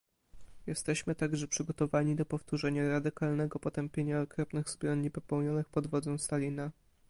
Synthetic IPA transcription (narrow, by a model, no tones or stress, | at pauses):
jɛst̪ɛɕmɘt̪aɡʐɛpʂɘɡɔt̪ɔvaɲid̪ɔpɔft̪uʐɛɲaɾad̪ɘkalnɛɡɔpɔt̪ɛmpʲjeɲaɔkɾɔpnɘɣzbɾɔnːipɔpɛwɲɔnɘxpɔd̪vɔd̪zɛw̃st̪alʲina